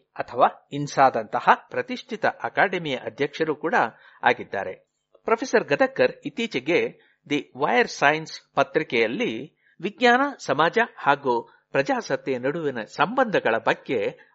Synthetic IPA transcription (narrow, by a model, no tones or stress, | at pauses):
ɐt̪ʰɐʋaːinsaːd̪ɐnt̪ɐhɐpɾɐt̪iʂʈʰit̪ɐʔɐkaːɖemijɐʔɐd̪ʱjɐkʂɐɾukuːɽɐ | a̰ːɡid̪ːa̰ːɾe | pɾɐpʰeːsɐɾɡɐd̪ɐkːɐɾit̪iːt͡ʃɐɡe̞ | d̪iʋɐjɐɾsajnspɐt̪ɾikɛjɐlːi | ʋiɡɲaːnɐsɐmaːd͡ʒɐhaːɡu | pɾɐd͡ʒaːsɐt̪jenɐɽuʋinɐsɐmbɐnd̪ʱɐɡɐɭɐbɐɡːe̞